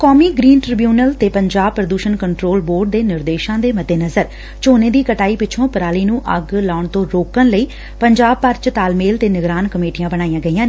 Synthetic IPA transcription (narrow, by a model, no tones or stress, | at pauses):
kɔːmiːɡɾiːnʈɾɪbjuːnəlt̪eːpəɲd͡ʒaːb̚pɾəd̪uːʃənkəɳʈɾoːlboːɾɖ̚d̪eːnɪɾd̪eːʃãːd̪eːməd̪eːnəzəɾ | t͡ʃoːneːd̪iːkəʈaːiːpɪt͡ʃʰõːpəɾaːliːnũːʔəɡlaːʊɳt̪õːɾoːkənləiː | pəɲd͡ʒaːb̚pəɾt͡ʃət̪aːlmeːlt̪eːnɪɡɾaːnkəmeːʈɪjãːbənaːijãːɡəiːãːneː